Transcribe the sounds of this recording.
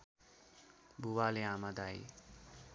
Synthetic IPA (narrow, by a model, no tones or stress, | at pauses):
buwaleamad̪aj